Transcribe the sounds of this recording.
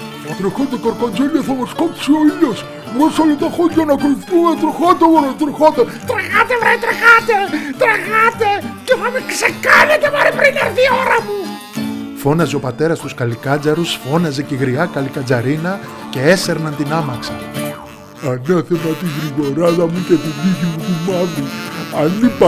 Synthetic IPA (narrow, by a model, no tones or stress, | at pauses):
θɐt̪ɾixot̪ekɐɾkond͡ʒeʎɐθɐmoskopsioiʎos | vɾosolot̪oxoɟɐnɐkoliθθumet̪ɾoxot̪eɣoɾot̪ɾixot̪et̪ɾɐɣɐt̪evɾeit̪ɾɐɣat̪et̪ɾɐɣɐt̪ecefɐmeksekanet̪evɐɾipɾinɐɾθioɾɐmu | fo̞nɐzeo̞pɐt̪e̞ɾɐst̪uskɐlikɐd͡zɐɾusfo̞nɐze̞ceɣɾiɐkɐlikɐd͡zɐɾinɐ | ce̞ese̞ɾnɐnt̪inɐmɐksɐ | ɐneθemɐt̪iɣɾiɣoɾɐðɐmucet̪iðiʝimut̪imɐviɐnip